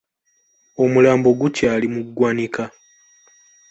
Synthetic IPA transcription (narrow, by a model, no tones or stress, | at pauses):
o̞mulaːmbo̞ɡucaːlimuɡwaːnika